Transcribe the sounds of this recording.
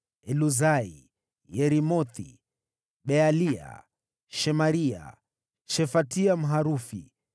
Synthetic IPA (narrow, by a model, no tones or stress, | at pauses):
ɛluzaḭ | jɛɾimɔt̪i | ɓɛalia̰ | ʃɛmaɾia̰ | ʃɛfatiam̩ɦaɾufḭ